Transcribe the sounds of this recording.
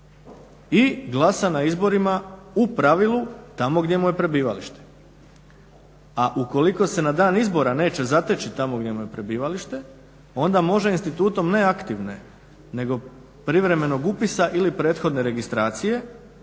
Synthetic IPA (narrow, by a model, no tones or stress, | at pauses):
iɡlˠasanaizbo̞ɾimaupɾaʋilˠut̪amo̞ɡd̪je̞muje̞pɾe̞biːʋaliʃt̪e̥ | aʔuko̞liko̞se̞nad̪aːnizbo̞ɾane̞ːt͡ɕe̞zat̪et͡ɕit̪amo̞ɡdʲje̞muje̞pɾe̞biːʋaliʃt̪e̞ | o̞nd̪amo̞ʒeinst̪it̪uːt̪o̞mne̞akt̪iʋne̞̰ | ne̞ɡo̞ | pɾiʋɾe̞me̞no̞ɡupisaʔilipɾe̞ːt̪xo̞d̪ne̞ɾe̞ɡist̪ɾaːt̪sije̞